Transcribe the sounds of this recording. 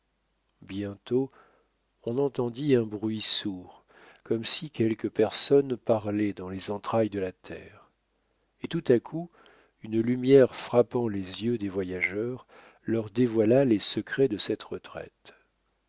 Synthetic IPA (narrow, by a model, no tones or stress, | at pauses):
bjɛ̃t̪o | ɔ̃nɑ̃t̪ɑ̃d̪iɛ̃bʁɥisuʁ | kɔmsikʲɛlkəpɛʁsɔnpaʁlɛd̪ɑ̃lezɑ̃t̪χajd̪əlat̪ʰɛ̰ːʁ | et̪ut̪akʰu | ynlymjɛʁfχapɑ̃lezjød̪evwajaʒœʁ | lœʁd̪evwalalesəkχɛd̪əsɛt̪ʁət̪χɛ̰t̪